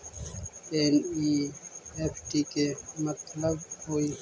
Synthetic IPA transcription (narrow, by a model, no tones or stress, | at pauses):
eni | epʈikemɐt̪ləbhoi